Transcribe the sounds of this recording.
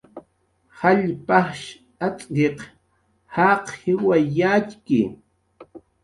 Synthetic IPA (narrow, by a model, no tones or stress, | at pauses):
haʎpaχʃ | at͡sʼʎeq | hɑqhɪwajat͡ʃkɪ̰